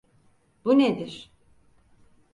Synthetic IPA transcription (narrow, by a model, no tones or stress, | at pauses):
b̥uned̪iɾ̥